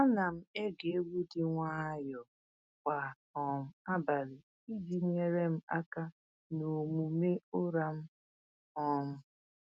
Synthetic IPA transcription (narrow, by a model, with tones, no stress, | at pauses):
a˦na˨m̩˦e˦ɡe˨e˦wu˦di˦ŋʷa˦jɔ˨ | kʷa˨ | ɔ˨m̩˨a˦ba˨ɾɪ˨ | i˦di˨˦ŋe˨ɾe˦m̩˦a˦ka˦ | no˨mu˨me˦o˦ɾa˦m̩˦ | ɔ˦m̩˦